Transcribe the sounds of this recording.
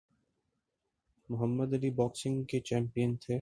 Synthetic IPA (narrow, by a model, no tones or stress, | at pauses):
mʊɦəmːəd̪ɐlibɔːksɪ̃ŋɡket͡ʃɛ̃ːmpijənt̪ʰe